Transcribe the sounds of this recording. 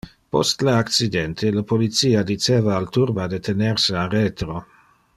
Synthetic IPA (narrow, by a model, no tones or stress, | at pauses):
post̪laakt͡sid̪ɛnt̪ʰelapolit̪siːad̪it͡ʃeːvaːlt̪urbad̪et̪ʰenersearet̪ɾo